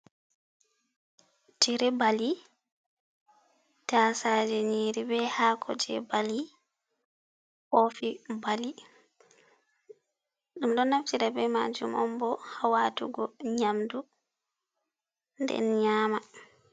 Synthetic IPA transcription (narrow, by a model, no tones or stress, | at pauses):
tiɾɛbali | tasaːd͡ʒɛɲiːɾibɛhaːkʰɔd͡ʒɛ̰bali | ʔofibali | ɗumɗɔnːaftiɾɛbɛmad͡ʒumɔmbɔhawatṵɡɔɲamdu | ndɛ̰nɲaːma